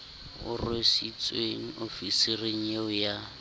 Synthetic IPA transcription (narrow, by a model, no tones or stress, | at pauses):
ʊ̰rwesit͡sʼweŋ̩ofisireŋ̩jeʊja